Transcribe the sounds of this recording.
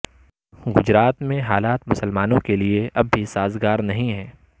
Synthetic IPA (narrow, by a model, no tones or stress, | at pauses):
ɡʊd͡ʒɾaːt̪mẽɦaːlaːt̪mʊsəlmaːnõkelieʔɐbːisaːzɡaːɾnɐɦĩɦɛː